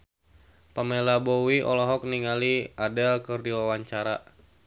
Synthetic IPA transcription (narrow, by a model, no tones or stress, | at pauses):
pamelabowiʔɔ̰lɔɦɔk̚niŋaliadakɨrdiwawaɲt͡ʃaɾa